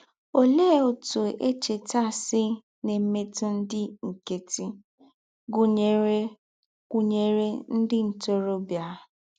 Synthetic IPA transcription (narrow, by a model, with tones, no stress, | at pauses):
o˨le˦˨o˨tu˨e˦t͡ʃe˨ta˦˨sɪ˦ | ne˨m̩˦me˦tʊ˦n̩˦dɪ˦ŋ̩˨ke˨ti˦ | ɡu˦e˨˦ | ɡʷu˦ɲe˨ɾe˦n̩˦dɪ˦n̩˨to˦ɾo˦bja˨˦